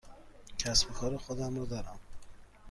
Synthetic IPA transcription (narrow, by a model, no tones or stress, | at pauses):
cʰæsbekʰɒːɾexod̪æmɾɒːd̪ɒːɾæm